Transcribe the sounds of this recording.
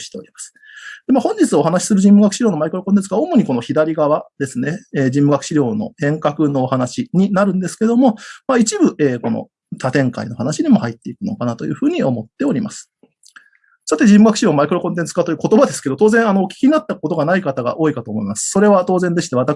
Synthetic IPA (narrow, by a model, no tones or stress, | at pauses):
ɕi̥t̪e̞oɾʲimasɨ̥ | d̪̥emahõ̞ɲ̟d͡ʑit͡sɨo̞ɦanaɕi̥sɨɾɯ̟ʑĩmːɯ̟ɡakɯ̟ɕiɾjoːno̞maikɯɾo̞kont̪ẽ̞t͡sɨɡaomo̞ɲ̟iko̞no̞çid̪aɾʲiɡaβad̪e̞sɨne̞eːd͡ʑĩmːɯ̟ɡakɯ̟ɕiɾʲo̞ːno̞̰hẽ̞ŋkakɯ̟no̞ːhanaɕiɲ̟inaɾɯ̟̃nd̪e̞sɨ̥ke̞d̪o̞mo̞mait͡ɕibɯ̟ʔeːko̞no̞̰ | t̪ʰat̪ẽ̞ŋka̰ino̞ɦanaɕid̪imo̞hait̪ːe̞ikɯ̟no̞̰kanat̪o̞jɯ̟ːɸɯ̟ːɲ̟io̞mo̞t̪ːe̞o̞ɾʲimasɨ̥ | sat̪e̞ʑĩmːɯɡakɯ̟ɕiɾjoːmaikɯɾo̞kont̪̬ent͡sɨ̥kat̪o̞jɯːko̞t̪o̞bad̪e̞sɨ̥ke̞d̪ot̪oːzẽ̞ɰ̃anoːkʲi̥kʲiɲ̟inat̪ːako̞t̪oɡanaikat̪aɡa̰ʔo̞ːikat̪o̞ːmo̞imasɨ̥so̞ɾe̞β̞at̪o̞ːzẽnd̪e̞ɕi̥t̪e̞at̪a